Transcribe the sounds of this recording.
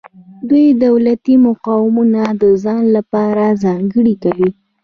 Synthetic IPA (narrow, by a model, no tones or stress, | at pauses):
d̪ujd̪awlat̪imʊqɑwɪmunad̪əzɑnlapɑɾazɑŋɡəɽikawi